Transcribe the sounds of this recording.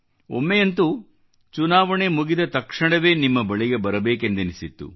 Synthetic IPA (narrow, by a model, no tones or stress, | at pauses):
o̰mːejɐnt̪u | t͡ʃunaːʋɐɳemuɡid̪ɐt̪ɐkʂɐɳɐʋe̞ːnimːɐbɐɭiɡe̞bɐɾɐbeːkend̪enisit̪ːṵ